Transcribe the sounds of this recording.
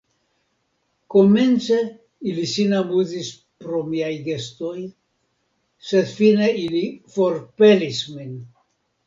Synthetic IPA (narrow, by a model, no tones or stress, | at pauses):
koment͡se | ilisinabuzis | pɾomiajɡest̪oj | sed̪fineilifoɾpelismin